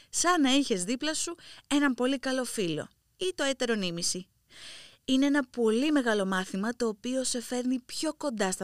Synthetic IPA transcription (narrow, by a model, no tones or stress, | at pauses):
sɐnɐiçe̞zðiplɐsue̞nɐmpo̞likɐlo̞filo̞̰ | it̪o̞et̪e̞ɾo̞nimisi | ine̞enɐpo̞lime̞ɣɐlo̞mɐθimɐt̪o̞ːpio̞se̞fe̞ɾnipço̞ko̞nd̪ɐst̪ɐ